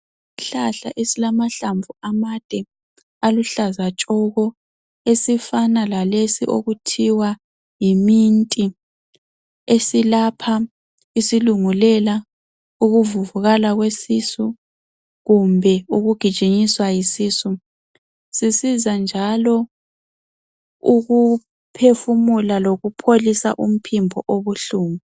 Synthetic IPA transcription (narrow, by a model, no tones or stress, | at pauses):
iɬaɬa̰ʔesilamaɬaɱvuamad̥ʱɛ | aluɬazat͡ʃʼɔɣɔ | esifanalalesḭʔo̰ɣutʰiwa | jimintʼi | esilapʰa | isiluŋulɛla | uɣuvuvuɣalaɣwesisu | ɣumbʱɛuɣuɡ̥ʱid̥ʒ̥ʼʱiɲiswajisiːsu | sisizand͡ʒʱalɔ | uɣu | pʰefumulaloɣupʰolisa̰ʔum̩pʰimbʱɔʔoβuɬuːmu